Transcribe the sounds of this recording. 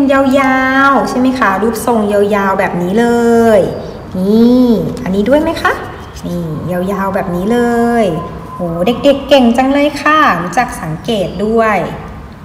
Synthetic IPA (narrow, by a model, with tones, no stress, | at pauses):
nja˧wjaː˧wt͡ɕʰa˧˥˩jma˥jkʰa˧˦˧duː˧˥˩p̚so˧˩ŋja˧wjaː˧wbɛː˨˩p̚niː˦˥lɤː˧j | niː˧˩ʔa˧nːiː˦˥du˥˩əjma˦˥jxʰa˦˥˩ʔ | niː˧˩ja˧wjaː˧wbɛː˨˩p̚niː˦˥lɤː˧j | hoː˨˦da˧˩k̚de˧˩kːe˧˩ŋt͡ɕa˧ŋlɤː˧˥˨jkʰaː˧˩˨ŋt͡ɕaː˨˩k̚sa˨˦ŋkeː˨˩t̪̚du˥˩əj